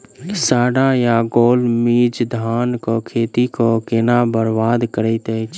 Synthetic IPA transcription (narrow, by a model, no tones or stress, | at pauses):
saːɽãjaɡoːlmiːd͡ʒd̪ʱaːnkokʰeːt̪ikokenabəɾbaːd̪kəɾət̪ɛt͡ʃʰ